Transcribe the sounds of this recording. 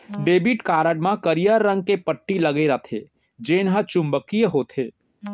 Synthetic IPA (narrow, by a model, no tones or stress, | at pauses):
ɖeːbiʈkaːɾəɖmãkəɾijəɾːə̃ŋɡ̚kepəʈːiləɡeɾət̪ʰḛ | d͡ʒeːnɦət͡ʃʊ̃mbəkijəɦoːt̪ʰe